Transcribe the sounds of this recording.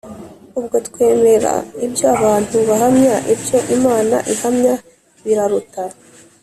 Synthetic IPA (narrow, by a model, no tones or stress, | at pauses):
ubɡo̞tkwe̞ːme̞ɾa̰ibjoaβaːn̥huβaɦamɲaʔibjo̞ʔimaːna̰ʔihamɲa | βiɾaɾuta